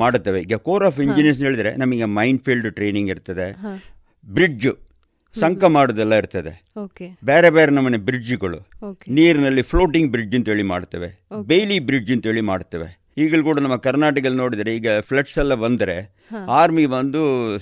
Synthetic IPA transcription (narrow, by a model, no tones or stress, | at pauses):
maːɽut̪ːɐʋeiːɡɐkoːɾaːf̬iɲd͡ʒiniɐs̬ɦeːɭid̪ɐɾe̞̰nɐmɐɡemɐjɳɖpʰilɖʈɾe̞ːniŋɡiɾt̪ɐd̪e̞ | bɾid͡ʒu | sɐŋkɐmaːɽud̪ɛlːɐiɾt̪ɐd̪e | okebeːɾebeːɾenɐmːɐnebɾid͡ʒɡɐɭṵkniːɾinɐlːipʰlo̞ːʈiŋɡ̚bɾid͡ʒɐnt̪ɐeːɭima̰ːɽt̪ːɐʋebejlibɾid͡ʒɐnt̪ɐeːɭimaːɽt̪ːɐʋe̞̰ | iːɡɐɭukuːɽɐnɐmːɐkɐɾnaːʈɐk̬ɐlno̞ːɽid̪ɐɾeiːɡɐpʰleʈsɛlːɐbɐnd̪ɐɾe̞ | aːɾmibɐnd̪u